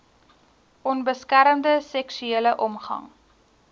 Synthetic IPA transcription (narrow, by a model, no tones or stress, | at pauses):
ʔɔnbəskæɾəmdəsɛksyeːləʔɔmχɐ̰ŋ